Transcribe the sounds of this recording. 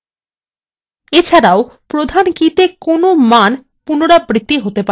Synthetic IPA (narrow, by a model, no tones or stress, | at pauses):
et͡ɕʰaɾaopɾod̪ʱankit̪ekonoman | punoɽabɾit̪ːiɦot̪epa